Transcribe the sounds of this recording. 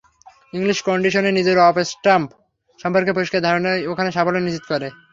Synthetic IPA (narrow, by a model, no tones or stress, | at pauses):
iŋliʃkɔɳɖiʃonenid͡ʑeɾɔfesʈɾamp | ʃɔmpoɾkepoɾiʃkʰad̪ʱaɾonaokʰaneʃafolenisit̪okɔɾe